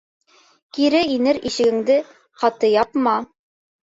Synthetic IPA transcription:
kiɾɘinɘɾiʃɘ̆ɡɘ̆ŋd̪ɘ | qɑt̪ɤjɑpmɑ

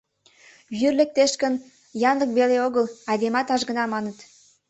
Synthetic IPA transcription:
βyrlek̚t̪eʃkən | jɑnləkβeleoɣəlɑd̪emɑt̪ɑʒɣə̆nɑmɑnət̪

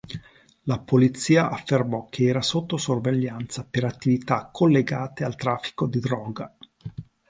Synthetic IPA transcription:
lapolit̪sːiːaʔafːermɔk̟ʰːeɛːɾasot̪ːosorveʎːant̪sapeɾat̪ːivit̪akʰːolːeɡaːt̪ealt̪ɾaːfːi̥kod̪id̪ɾɔːɡa

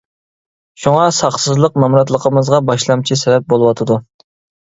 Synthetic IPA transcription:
ʃuŋɑsɑχsɨzlˠəqmɛmɾɑt̪lˠəqʰəmɨzʁɑbɑʃlˠɑmt͡ʃʰisɛbɛp̚bolˠəwɑt̪ʰɨd̪u

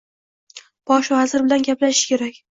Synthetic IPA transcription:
b̥ɒʃvazɪɾbɪlanɡʲaplaʃɪɪ̥kʲʰe̞ɾakʲ

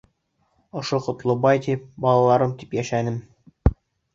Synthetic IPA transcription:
ŏʃoqŏt̪lˠɤbɑjt̪ip̚bɑlˠɑlˠɑɾɤmt̪ipjæʃænɘm

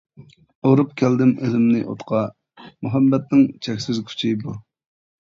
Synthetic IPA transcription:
oɾupkʲʰæld̪ɪmøzɪmnɪ̰ʔo̰t̪qʰɑ | muɦɛmːɛt̪̚nɪŋt͡ʃʰɛkʲsɪzkʲʰy̥t͡ʃʰibu

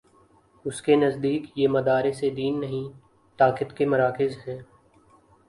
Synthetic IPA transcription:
ʊskenɐzd̪iːkjemɐd̪aːɾesed̪iːnːɐɦĩ | t̪aːkɪt̪kemɐɾaːkɪzɦɛ̃ː

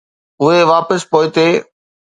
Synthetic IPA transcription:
ʊɦeʋaːpəspoːɪt̪eː

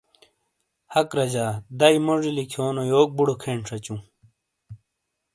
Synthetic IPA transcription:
hɐkɾɐd͡ʑaːd̪ɐimoʐilikʰoːnojoːk̚buɽokʰeːɳʂɐt͡ɕũː

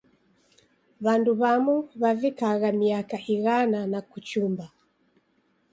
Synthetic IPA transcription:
βanduβamuβavikaɣamiakaʔiɣananakut͡ʃumba

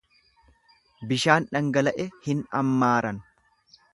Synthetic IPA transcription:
bɪʃaːnᶑɐŋɡɐlɐʔɛhɪnɐ̰mːaːɾɐn

